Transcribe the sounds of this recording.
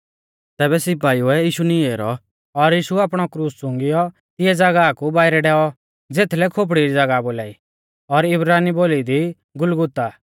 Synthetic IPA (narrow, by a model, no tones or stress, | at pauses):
t̪ɛːbɛsɪp̬aːiuɛjiːʃunieːɾɔ̰ | ɔɾjiːʃuaːpɽ̃ɔkɾuːssʊ̃ŋɡɪjɔ | t̪ɪɛd͡zɐɡakubaːɪɾɛɖɛːɔ | d͡zeːt̪ʰlɛkʰop̬ɽiɾid͡zɐɡaboːlaːi | ɔɾɪbɾaːniboːlid̪i | ɡʊlɡʊt̪a